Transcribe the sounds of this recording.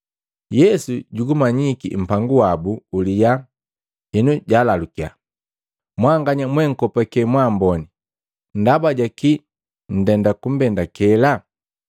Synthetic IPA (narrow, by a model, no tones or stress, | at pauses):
jɛsuɟuɡumaɲikḭm̩paŋɡuwabuulija | ɛnuɟaːlalukia̰ | mwaŋɡaɲamwɛŋ̩kɔpakɛmwambɔni | n̩dabaɟaki | n̩dɛndakum̩bɛndakɛla